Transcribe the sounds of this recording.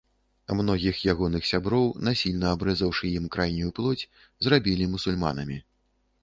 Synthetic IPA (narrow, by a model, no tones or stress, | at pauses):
amnɔɣʲixjaɣɔnɨxsʲabɾɔwnasʲilʲnɐabɾɛzəwʂɨjimkɾajnʲujuplˠɔt͡sʲ | zrabʲilʲimusulʲma̰nɐmʲi